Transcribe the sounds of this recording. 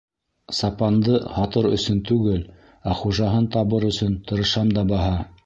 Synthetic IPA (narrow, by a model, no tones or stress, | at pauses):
sɑpɑnd̪ɤhɑt̪ɤɾɵ̰̆sɵnt̪ʉɡɘl | æχuʒɑɦɤnt̪ɑβɤɾɵ̆sɵnt̪ŏɾɤ̆ʃɑmd̪ɑbɑɦɑ